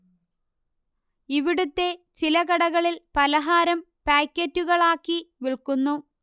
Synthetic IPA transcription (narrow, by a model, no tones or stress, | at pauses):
iʋiɽut̪ːe̞t͡ɕilɐɣɐɽɐɣɐɭilpɐlɐɦaːɾɐm | paːkʲːetːuɣɐɭaːkːiʋiɭkunːu